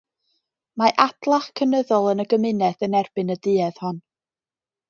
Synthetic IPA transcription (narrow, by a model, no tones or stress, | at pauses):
maʔad̥lˠaχkʰənəðɔlˠənəɡəmɪnɛθənɛrbɨnədɨɛð̥hɔn